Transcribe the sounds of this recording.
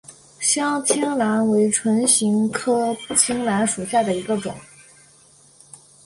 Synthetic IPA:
ɕjɑ˥ŋt̪ʰi˥ŋla˧˥nwe˧˥ɪʈ͡ʂʰwə˧˥nɕi˧˥ŋkʰɤ˥pu˥˩t͡ɕʰi˥ŋla˧˥nʂu˨˩ɕja˥˩d̪ə˩i˧˥ɡə˧ʈ͡ʂʊ̰˨˩˦ŋ

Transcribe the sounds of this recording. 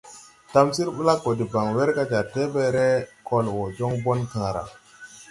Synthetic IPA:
ta˨msi˦ɾɓu˦la˦kːo˨di˨ba˨ŋwe˦ɾka˦d͡ʒa˨ɾte˦be˦˨ɾɛ˦ko˨lwɔ˨d͡ʒɔ˦ŋbo˦nkãː˨ɾa̰˨

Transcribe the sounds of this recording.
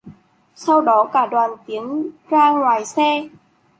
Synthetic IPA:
sa˧wɗɔ˨˦kaː˧˩ɗwaː˨˩nt̪i˨˦əŋzaː˧ŋwaː˨˩jsɛ˧

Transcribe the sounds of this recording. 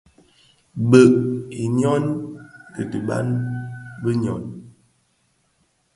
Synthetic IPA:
bə˨ʔi˨njɔ˦nkə˨tə˨ba̰˦n | bə˦ɲ˨ɔ̰˨n

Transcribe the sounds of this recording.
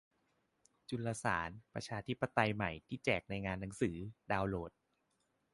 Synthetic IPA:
t͡ɕu˧laː˧sa̰ː˩˦npɾa̰˧t͡ɕʰaː˧t̪ʰi˦˥pːa˧t̪a˧jma˨˩jt̪ʰiː˥˩t͡ɕɛː˨˩k̚na˧jŋaː˧nːa˩˦ŋsɯː˩˦daː˧wloː˨˩t̪̚

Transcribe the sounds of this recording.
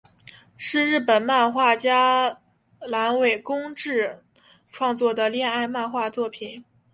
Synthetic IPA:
ʂɻ̩˥˧ɻɻ̩˥˩pə˨˩nma˥˧nxwa˥˩t͡ɕja˥ | la˧˥nwe˨˩ɪkʊ˥ŋʈ͡ʂɻ̩˥˩˧ | ʈ͡ʂʰwɑ˥˧ŋt͡swɔ˥˩d̪ə˩ljɛ˥˧na˥˧ɪma˥˧nxwa˥˧t͡swɔ˥˩pʰi˨˩˦n

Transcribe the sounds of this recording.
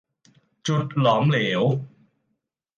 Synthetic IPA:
t͡ɕu˨˩t̪̚lɔː˩˦mleː˩˦w

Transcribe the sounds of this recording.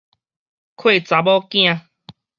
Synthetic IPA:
kʰwe˥˨t͡sa˨˦bɔ˦kj̃ã˧

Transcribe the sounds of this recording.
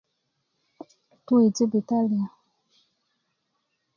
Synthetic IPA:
tu˦e˨ti˦bi˨ta˦li˨a˨

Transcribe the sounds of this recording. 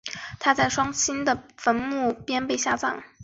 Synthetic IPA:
t̪ʰa˥t͡sa˥˩ɪʂwɑ˥ŋt͡ɕʰi˥nd̪ə˨fə˧˥nmu˥˩pjɛ˥npe˥˧ɪɕja˥˧t͡sɑ̰˥˩ŋ

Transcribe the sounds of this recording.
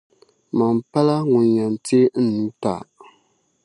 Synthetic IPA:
ma˨m˨pa˦la˦ŋu˨nja˨n˨te˦n̩˦nu˨˦ta̰˨

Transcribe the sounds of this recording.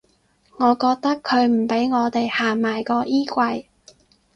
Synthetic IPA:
ŋɔː˨˧kɔː˧k̚t̪ɐ˥kʰːɵ˨˧ɥm̩˨˩pe˨˥jŋɔː˨˧t̪e˨jhaː˨maː˨˩jkɔː˧ʔiː˥kʷɐ˧j

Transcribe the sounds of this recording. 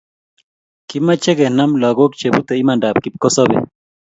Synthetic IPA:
ki˦mːa˦t͡ʃɛ˦ɡɛ˨na˦mla˨ɡo˦k̚t͡ʃe˨but̪ɛ˨i˦ma˨nda˨p̚ki˨p̚kɔ˦sɔ˦bɛ̰˨

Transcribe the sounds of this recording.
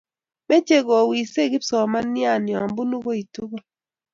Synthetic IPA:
me˦t͡ʃe˦ɡɔ˨wi˨se˦˨ɡɪ˦psɔ˨ma˦nja˦˨nɪ˨a˨mbu˦nu˦ɡo˦i˨tu˦ɡo˦

